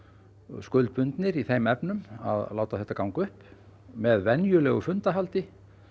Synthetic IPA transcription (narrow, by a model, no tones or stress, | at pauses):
skʏlt̪̚pʏnt̪nɪɾiθejmɛpnʏma̰ðlaːwt̪aθɛht̪ːakawŋkʏhp | mɛðvɛnjʏlɛːɣʏfʏnt̪aɦalt̪ɪ